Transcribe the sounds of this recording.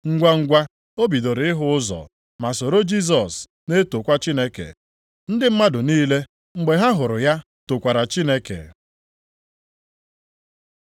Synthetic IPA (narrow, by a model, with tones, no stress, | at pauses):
ŋ̩˦ɡʷa˦ŋ̩˦ɡʷa˦ | o˦bi˨do˨ɾɪ˨ɪ˦ɦʊ˦ʊ˦zɔ̰˨ | ma˨so˨ɾo˦d͡ʒi˦s̬ɔ˨s | ne˦to˨kʷa˦t͡ʃi˦ne˦kḛ˨ | n̩˦dɪ˦m̩˦ma˦dʊ˨niː˦le˦ | ŋ͡m̩˨ɡ͡be˨ɦa˦ɦʊ˨ɾʊ˨ja˦ | to˨kʷa˨ɾa˨t͡ʃi˦ne˦kḛ˨